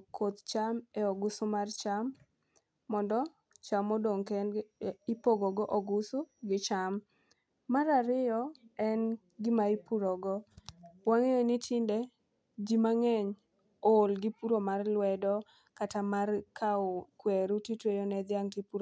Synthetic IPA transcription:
kʰot̪t͡ʃamɛɔɡʊsʊmart͡ʃamː | ɔndɔ | t͡ʃamɔdoŋkɛnipoɡɔɡɔʔɔɡʊsʊɡɪt͡ʃamː | aɾaɾɪɔɛn | ɡɪmaipuɾɔɡɔwaŋejonɪtʰɪnde | d͡ʒimaŋɛɲ | olɡɪpuɾomarlwɛdɔ | katamarkʰaokweɾutitwejɔnɛd̪ɪjaŋkɪpuɾo

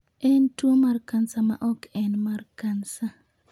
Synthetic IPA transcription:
ɛntwomarkansama̰ʔɔkɛnmarkansa

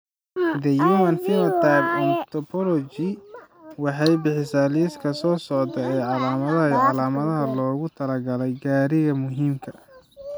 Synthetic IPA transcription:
d̪ɐjuːmɐnfɪmɐt̪ʰabɐnt̪ʰɔpʰɔlɔt͡ʃi | wɑħɑjbɪħɪsaːliskʰɐsɔːsɔʕd̪ɐɛːʕɑlaːmɐðɐɦɐʕɑlaːmɐðɐɦɐlɔːɣʊt̪ʰɐlɐɡɐlɛjɡaːɾɪɣɐmʊɦiːmkʰɐ̥

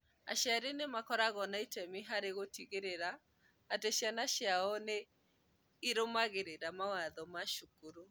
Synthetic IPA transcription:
a̰ʃaɾenemakɔɾaɣɔnaitɛmiɦaɾeɣotiɣeɾeɾaː | teɕjanaʃjaɔne | iɾomaɣeɾeɾamawaðɔmaʃukuɾu

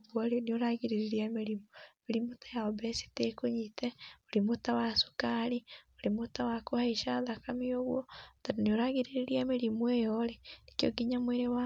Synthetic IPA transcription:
βwaɾinioɾaɣiɾeɾeɾiameɾimooɾimotḁjaobesi̥tekoɲiteoɾimotawasu̥kaɾioɾimotawakohaiʃaðakamioɣwɔtatonioɾaɣiɾeɾeɾiameɾimwejɔɾenekjo̰ɡiɲamweɾewa

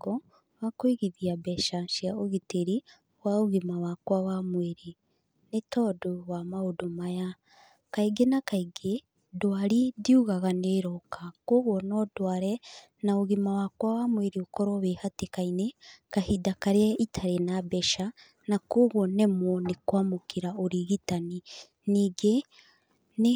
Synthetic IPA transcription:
ɔ | wakoiɣiðiabɛʃaʃiaoɣiteɾi | waoɣimawakwawamweɾi | netɔdowamaodomaja | kaiɡenakaiɡe | dwaɾidiuɣaɣaneɾɔkakoɣwɔnɔdwaːɾɛ | naoɣimawakwawamweɾiokɔɾɔβehatekainekahidakaɾeɛitʰaɾenabɛʃa | nakoːɣɔnɛmwɔnekwamokiɾaoɾiɣitani | niɡe | ne

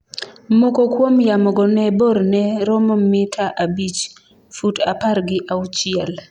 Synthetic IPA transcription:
mokɔkwomjamɔɡɔnɛboɾnɛɾɔmɔmɪtʰaʔabit͡ʃ | futapaɾɡɪʔaut͡ʃɪɛl

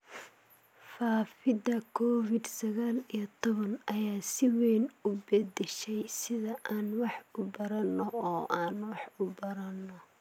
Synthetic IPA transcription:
faːfɪd̪ɐkʰɔːfɪd̪sɐɣaːlijɐt̪ʰɔβɐnɐjaːsɪwɛːnʊbɐd̪ɛʃɛjsɪðɐʔaːnwɑħʊbɐɾɐnːɔɔːʔaːnwɑħʊbɐɾɐnːɔ

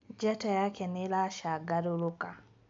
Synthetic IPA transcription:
d͡ʒɛtajakɛnilaʃaɡaɾuluka

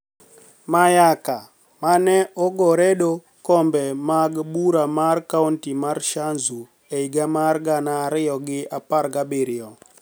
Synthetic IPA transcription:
majaka | manɛʔɔɡɔɾɛɗo | kɔmbɛmaɡbuɾamarkauntimarʃanzu | eiɡamarɡanaːɾɪjɔɡɪapaɾɡabɪɾɪɔ

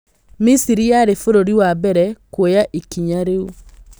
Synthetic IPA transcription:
misiɾijaɾefoɾoɾiwabɛɾɛkwojaʔikiɲaɾeu

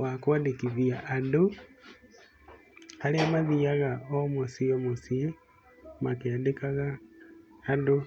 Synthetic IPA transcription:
wakwadikiβiaʔːdu | haleamaðiaɣaomusiomusi | makeadekaɣaː | du

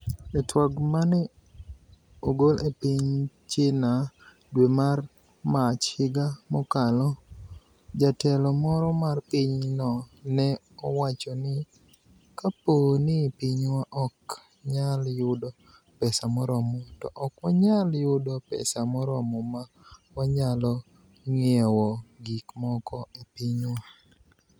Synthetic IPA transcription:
ɛtwaɡmanɛ | oɡolepiɲ | t͡ʃɪna | dwemar | mat͡ʃhɪɡamɔkalɔ | d͡ʒatɛlɔmɔɾɔmarpiɲnɔnɛ | ɔwat͡ʃɔnɪ | kaponɪpiɲwaʔɔk | ɲaljʊdɔ | pɛsamɔɾɔmɔtɔʔɔkwaɲaljʊdɔpɛ̰samɔɾɔmɔma | waɲalɔ | ŋɪɛwɔɡikmɔkʰɔipiɲwa

